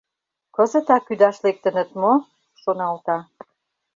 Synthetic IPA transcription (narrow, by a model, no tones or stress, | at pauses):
kə̆zə̆t̪ɑkyd̪ɑʃlek̚t̪ə̆nə̆t̪mo | ʃonɑlt̪ɑ